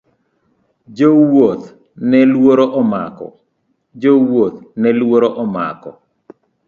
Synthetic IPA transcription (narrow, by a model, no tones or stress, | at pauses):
d͡ʒowot̪ | nɛlwoɾoʔɔma̰kɔ̰ | d͡ʒowot̪nɛlwoɾoʔɔma̰kɔ̰